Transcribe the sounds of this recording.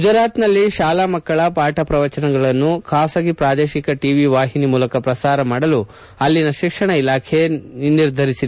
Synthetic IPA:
ud͡ʒɐɾaːt̪nɐlːiʃaːlaːmɐkːɐɭɐpaːʈɐpɾɐʋɐt͡ʃɐnɐɡɐɭɐnːukʰaːsɐɡipɾaːd̪eːʃikɐʈiːʋiʋaːɦinimuːlɐkɐpɾɐsaːɾɐmaːɽɐlu | ɐlːinɐʃikʂɐɳɐilaːkʰe̞niɾd̪ʱɐɾisid̪

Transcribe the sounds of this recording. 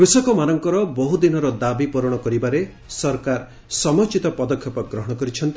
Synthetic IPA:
kɾusɔkɔmanɔŋkɔɾɔbɔɦud̪inɔɾɔd̪abipuɾɔɽ̃ɔkɔɾibaɾe | sɔɾkaɾ | sɔmɔt͡ʃit̪ɔpɔd̪ɔkʰːjɔpɔɡɾɔɦɔɽ̃ɔkɔɾit͡ʃʰɔnt̪i

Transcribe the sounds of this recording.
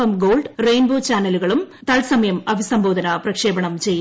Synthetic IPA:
ɐmɡo̞ːɭɖrejnboːt͡ɕaːnːɐluɣɐɭum | t̪ɐɭsɐmɐjɐmɐʋʱisɐmbʱo̞ːd̪ʱɐnɐprɐkʂe̞ːbɐɳɐmt͡ɕe̞j

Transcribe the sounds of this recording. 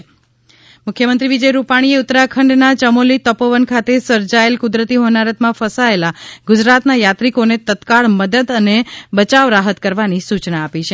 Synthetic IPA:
mʊkʰjəmənt̪ɾiʋid͡ʒəjɾupaɽ̃ieʊt̪ɾakʰəɳɖnat͡ʃəmolit̪əpoʋənkʰat̪esəɾd͡ʒaelkʊd̪ɾət̪iɦonaɾət̪mãfəsaelaɡʊd͡ʒɾat̪najat̪ɾikonet̪ət̪kaɭməd̪əd̪ənebət͡ʃaʋɾaɦət̪kəɾʋanisut͡ʃnaːpit͡ʃʰe

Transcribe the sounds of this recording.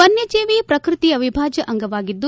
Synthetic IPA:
pɐnjɐd͡ʒeːʋiːpɾɐkɾɪt̪iɐʋibʱaːd͡ʒɐʔɐŋɡɐʋaːɡid̪ːu

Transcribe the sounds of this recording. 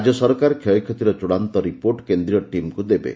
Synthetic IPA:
d͡ʒɔsɔɾkaɾkʰjɔjɔkʰjɔt̪iɾɔt͡ʃuɽant̪ɔɾipoɾʈkend̪ɾiɔʈimkud̪ebḛ

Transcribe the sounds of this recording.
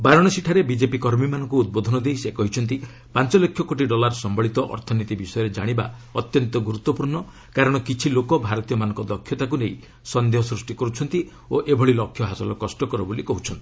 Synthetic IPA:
baɾɔɽ̃ɔsiʈʰaɾebid͡ʒepikɔɾmimanɔŋkuːd̪̚bod̪ʱɔnɔd̪ejsekɔɦit͡ʃʰɔnt̪i | pant͡ʃɔlɔkʰjɔkoʈ̬iɖɔlaɾsɔmbɔɭit̪ɔʔɔ̰ɾt̪ʰɔnit̪ibisɔjɔɾed͡ʒa̰ɽ̃iba̰ɔt̪jɔnt̪ɔɡuɾut̪ːɔpuɾɳɔ | kaɾɔɽ̃ɔkit͡ʃʰilokɔbʱaɾɔt̪ijɔmanɔŋkɔd̪ɔkʰːjɔt̪ak̬unej | sɔnd̪eɦɔsɾusʈikɔɾut͡ʃʰɔnt̪i | oʔebʱɔɭilɔkʰːjɔɦasɔlɔkɔsʈɔkɔɾɔbolikɔɦut͡ʃʰɔnt̪ii̥

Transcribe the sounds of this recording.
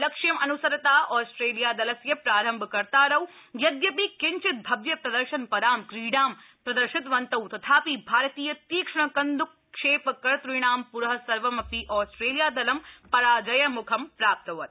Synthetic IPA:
lɐkʂjɐmʔɐnusɐɾɐt̪aːʔɔːsʈɾeːlijaːd̪ɐlɐsjɐpɾaːɾɐmbʱkɐɾt̪aːɾɐwjɐd̪jɐpikɪɲt͡ʃɪt̪̚bʱɐbʋjɐpɾɐd̪ɐɾʃɐnpɐɾaːmkɾiːɖaːmpɾɐd̪ɐɾʃɪt̪ʋɐnt̪ɐwt̪ɐt̪ʰaːpibʱaːɾɐt̪iːjɐt̪iːkʂɐɳ̃ɐkɐnd̪ukː | ʂeːpɐkːɐɾt̪ɾujɳ̃aːmpuɾɦɐ̆sɐɾʋɐmɐpiʔɔːsʈɾeːlijaːd̪ɐlɐmpɐɾaːd͡ʒɐjɐmukʰɐmpɾaːp̚t̪ɐʋɐt̪̚

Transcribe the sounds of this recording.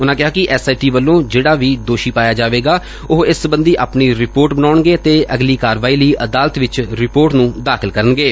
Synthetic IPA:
ʊnãːkɪɦaːkɪʔɛːsaːiʈiːʋəlːõːd͡ʒeːɽaːʋiːd̪oːʃiːpaːjaːd͡ʒaːʋeːɡaː | ʊɦɪsəbənd̪iːʔaːpniːɾɪpoːɾʈbənaːɳɡeːət̪eːəɡliːkaːɾʋaːiːləiːʔəd̪aːlət̪ʋɪt͡ʃɾɪpoːɾʈnũːd̪aːxʰɪlkəɾənɡeː

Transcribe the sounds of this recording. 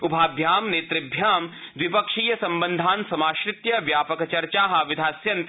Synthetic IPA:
ʊbʱaːbʱjaːmneːt̪ɾɪbʱjaːmd̪ʋɪpɐkʃiːjɐsɐ̃mbə̃nd̪ʱaːnsɐmaːʃɾɪt̪jɐʋjaːpɐkɐt͡ʃɐɾt͡ʃaːɦɐ̆ʋɪd̪ʱaːsjɐnt̪

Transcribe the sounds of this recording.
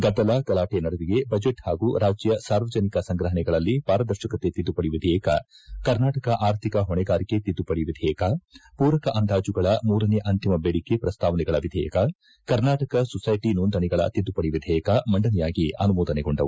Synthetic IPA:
ɡɐd̪ːɐlakɐlaːʈenɐɽɐʋiɡe̞bɐd͡ʒeʈhaːɡuɾaːd͡ʒjɐsaːɾʋɐd͡ʒɐnikɐsɐŋɡɾɐɦɐnɛɡɐɭɐlːipaːɾɐd̪ɐɾʃɐkɐt̪et̪id̪ːupɐɽiʋid̪ʱɛjɐkɐ | kɐɾnaːʈɐkɐʔaːɾt̪ʰikɐɦɔɳɛɡaːɾiket̪id̪ːupɐɽiʋid̪ʱɛjɐkɐpuːɾɐkɐʔɐnd̪aːd͡ʒuɡɐɭɐmuːɾɐneʔɐnt̪imɐbeːɽikepɾɐst̪ʰaːʋɐnɛɡɐɭɐʋid̪ʱɛjɐ̰kɐ | kɐɾnaːʈɐkɐsɔsɐjʈinoːnd̪ɐnɛɡɐɭɐ̰t̪id̪ːupɐɽiʋid̪ʱɛːjɐkɐmɐɳɖɐnɛjaːɡiɐ̰numɔːd̪ɐneɡoɳɖɐ̰ʋu

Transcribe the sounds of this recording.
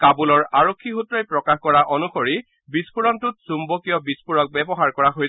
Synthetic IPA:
kabulɔɹaɹokʰːixutɹɔjpɹɔkaxkɔɹaʔɔnuxoɹi | bispuɹɔntʊt̚sumbɔkijɔbispuɹɔk̚bɛbɔɦaɹkɔɹaɦoj

